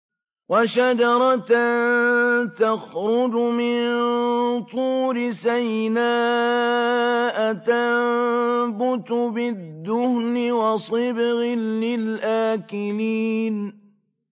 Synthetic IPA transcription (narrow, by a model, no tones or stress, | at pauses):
waʃad͡ʒɑɾˤɑt̪nt̪axɾʊd͡ʒʊmɪn | t̪ˤuːɾɪsajnaː | ʔat̪a | bʊt̪bɪd̪ːʊhnɪwɑsˤɨbɣɪlːɪlʔaːkɪliːn